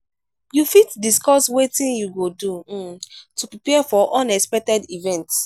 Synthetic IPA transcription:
jufitdiskɔswetĩnjuɡodutupɹipɛfɔʔɔ̃nɛkspɛk̚tɛdivɛ̃nts

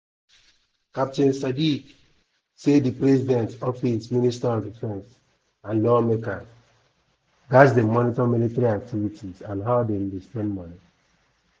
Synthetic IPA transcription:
kap̚tĩnsadik | sedipɾɛzidɛ̃ntɔfisministaɔndifɛ̃ns | ãnlɔmekã | ɡasdemɔnitɔmilitaɾiak̚tʰivitizãnɦaʊdeĩndispɛ̃nmɔni

